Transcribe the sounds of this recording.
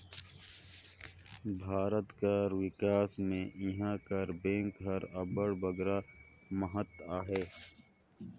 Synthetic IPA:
bʱaːɾət̪kaɾwɪkaːsmẽʔɪɦãːkɐɾbẽːŋkɦɐɾɐbəɽbɐɡɾa | mɐɦət̪aːɦeː

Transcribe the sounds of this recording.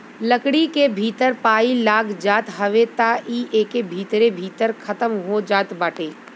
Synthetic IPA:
ləkɽikebʱiːt̪əɾpaːilaːɡd͡ʒaːt̪ɦɐʋet̪aiːʔeːkebʱiːt̪ɾebʱiːt̪əɾkʰɐt̪əmɦod͡ʒaːt̪baːʈeː

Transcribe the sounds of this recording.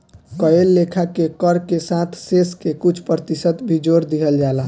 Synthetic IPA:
kəelːekʰakekəɾkesãt̪ʰseskekut͡ʃʰpɾət̪isət̪bʱid͡ʒoɾd̪iɦəld͡ʒala

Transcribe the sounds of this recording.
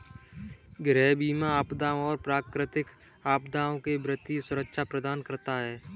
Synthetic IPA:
ɡɾɛːbiːmaaːpd̪aːõɔːɾpɾaːkɾɪt̪ɪk | aːpd̪aːõkebɾɪt̪isʊɾəkʃʰapɾəd̪aːnkəɾt̪aɦɛː

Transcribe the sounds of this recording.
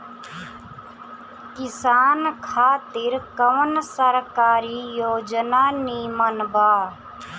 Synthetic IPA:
kɪsaːnkʰaːt̪ɪɾkəʋənsəɾkaːɾiːjoːd͡ʒnaːniːmənbaː

